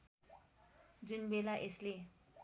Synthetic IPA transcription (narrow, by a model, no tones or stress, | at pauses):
d͡ʒunbelaʔesle